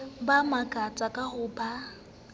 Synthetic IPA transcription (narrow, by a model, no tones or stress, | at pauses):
bamakʼat͡sʼakʼahʊba